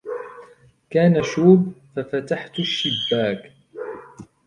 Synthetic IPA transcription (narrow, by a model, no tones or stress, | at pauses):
kaːnaʃuːbfafat̪aħt̪ʃːɪbːaːk